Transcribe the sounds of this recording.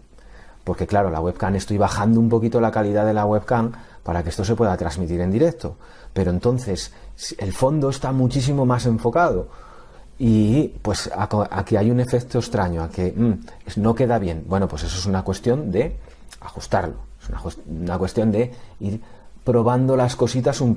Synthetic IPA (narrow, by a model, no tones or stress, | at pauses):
po̞ɾke̞klaɾo̞la̰ɣwe̞βkane̞st̪ujβaxand̪oumpo̞kit̪o̞lakaliðaðe̞laɣwe̞βkaŋpaɾakeest̪o̞se̞pwe̞ðat̪ɾazmit̪iɾe̞nd̪iɾe̞k̚t̪o̞ | pe̞ɾont̪o̞nθe̞s | e̞lfo̞nd̪oe̞st̪amut͡ʃis̬imo̞mase̞ɱfo̞kaðo̞ | ipwe̞sa̰koa̰kiajune̞fe̞k̚t̪oest̪ɾaɲo̞ake | sno̞ke̞ðaβje̞nbwe̞no̞pwe̞se̞s̬oesunakwe̞st̪jo̞nd̪e̞ | axust̪aɾlo̞esuna̰nakwe̞st̪jo̞nd̪e̞iɾpɾo̞β̞and̪o̞lasko̞sit̪asum